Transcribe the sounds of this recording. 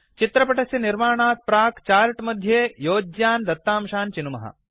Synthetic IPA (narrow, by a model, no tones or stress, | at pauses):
t͡ʃit̪ɾɐpɐʈɐsjɐniɾmaːɳaːt̪̚pɾaːkt͡ʃaːɾʈmɐd̪ʱːjeːjoːd͡ʒjaːnd̪ɐt̪ːaːmʃaːnt͡ʃinumɐ̰ɦɐ̰